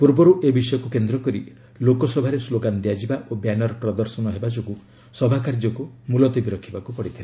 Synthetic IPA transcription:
puɾbɔɾuʔebisɔjɔkukend̪ɾɔkɔɾḭ | lokɔsɔbʱaɾesloɡand̪ijad͡ʒibaʔobjanɔɾɔpɾɔd̪ɔɾsɔnɔɦebad͡ʒɔku | sɔbʱakaɾd͡ʒɔkumulɔt̪ebiɾɔkʰːibakupɔɽit̪ʰile

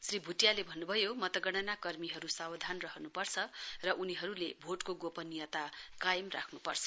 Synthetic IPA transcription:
sribʱuʈjalebʱʌnːubʱʌjomʌt̪ʌɡʌɽ̃ʌnakʌrmiɦʌɾusawd̪ʱanrʌɦʌnupʌrt͡sʰʌrʌʔuniɦʌɾulebʱoʈkoɡopʌnijʌt̪akajʌmra̰kʰnupʌrt͡sʰʌ̥

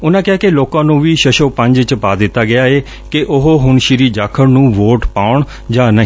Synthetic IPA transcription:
ʊnãːkɪɦaːkeloːkãːnũːʋiːʃəʃoːpə̃ɲd͡ʒt͡ʃəpaːd̪ɪt̪ːaːɡɪaːeː | keʔʊɦoɦʊnʃɪɾiːd͡ʒaːkʰəɾnũːʋoːʈpaːʊɳ | d͡ʒãːnəɦĩː

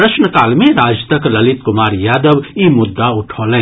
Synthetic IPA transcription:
ɾɐʃnəkaːlmẽɾaːd͡ʒt̪ɐklɐlɪt̪kʊmaːɾjaːd̪əʋiːmʊd̪ːaʊʈʰoːlẽː

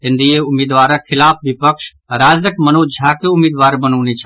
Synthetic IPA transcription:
ɪ̃nd̪ieʊmiːd̪ʋaːɾɐkʰɪlaːpʋɪpəkʃ | ɾaːzlɐkmɐnod͡ʒʱaːkeʊmiːd̪ʋaːɾbɐnuːnit͡ʃʰa

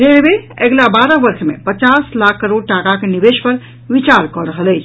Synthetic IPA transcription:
ɾeɾbeəɡlabaɾəbəɾkʰmḛpət͡ʃaslakʰːəɾoɖ̚ʈakakenibeʃpəɾ | ʋit͡ʃaɾkɔɾəɦələjt͡ʃʰ

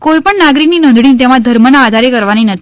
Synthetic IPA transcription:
koipəɳnaɡɾikninɔ̃nd̪ɽit̪̬emãd̪ʱəɾmənaːd̪ʱaɾekəɾʋaninət̪ʰi̥

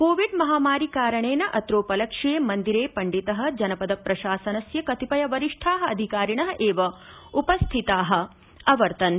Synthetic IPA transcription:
koːʋiɖmɐɦaːmaːɾikaːɾɐɳeːnɐʔɐt̪ɾoːpɐlɐkʂeːmɐnd̪iɾeːpɐɳɖit̪ɐɦɐ̆d͡ʒɐnɐpɐd̪ɐpɾɐʃaːsɐnɐsjɐkɐt̪ipɐjɐʋɐɾiʂʈʰaːɦɐɐd̪ʱikaːɾiɳɐɦɐʔeːʋɐupɐst̪ʰit̪aːɦɐ̆ | ɐʋɐɾt̪ɐn

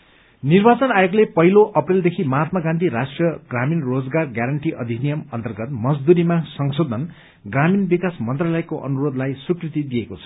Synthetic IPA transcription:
nirbat͡sʌnajoklepʌɦiloʔʌprild̪ekʰimaːt̪̚maɡãnt̪iɾasʈrijʌɡ̥raminrod͡zɡarɡjaɾʌɳʈiʔʌd̪ʱinijʌmʌ̰nt̪ʌrɡʌt̪̚mʌd͡zd̪uɾimasʌŋsod̪ʱʌn | ɡraminbikasmʌnt̪ralʌjkoʔʌ̰nuɾod̪lajsukrit̪id̪ijekot͡sʰʌ̥

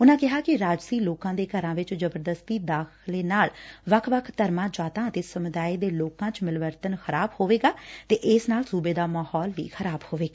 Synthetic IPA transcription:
ʊnãːkɪɦaːkɪɾaːd͡ʒsiːloːkãːd̪eːkəɾãːʋɪt͡ʃd͡ʒəbəɾd̪əst̪iːd̪aːkʰleːnaːlʋəkʰʋəkʰt̪əɾmãːd͡ʒaːt̪ãːət̪eːsəmʊd̪aːiːd̪eːloːkãːt͡ʃmɪlʋəɾt̪ənxəɾaːbhoːʋeːɡaːt̪eːʔɪsnaːlsuːbeːd̪aːmaːhɔːlʋḭːxəɾaːbhoːʋeːɡaː

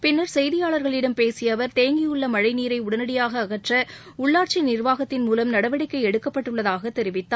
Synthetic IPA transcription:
pɪnːɐɾsɛjðɪjaːɭɐɾɣɐɭɪɽɐmpeːsɪjɐʋɐɾt̪eːŋɡɪjɯɭːɐmɐɻɐɪniːɾɐɪʊɽɐnɪɽɪjaːɣɐːɣɐʈrɐ | ʊɭːaːɾt͡ʃinɪrʋaːɣɐt̪ːɪnmuːlɐmnɐɽɐʋɐɽɪkːɐɪɛɽɯkːɐpːɐʈːɯɭːɐðaːɣɐt̪ːɛɾɪʋɪt̪ːaː

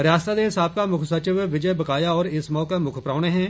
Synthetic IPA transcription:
ɾjaːst̪ãd̪eɦɪsaːb̚kamʊkʰsət͡ʃʋʋɪd͡ʒəbəkaːjaɔːɾɪsmɔːkamʊkʰpɾaːʊneɦɛ̃ː

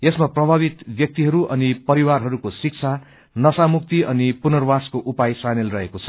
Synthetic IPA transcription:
esmaprʌbʱabit̪bjʌk̚t̪iɦʌɾuʔʌnipʌɾiwarɦʌɾukosik̚t͡sʰa | nʌsamuk̚t̪iʔʌnipunʌrwaskoʔupajsanelrʌɦekot͡sʰʌ̥

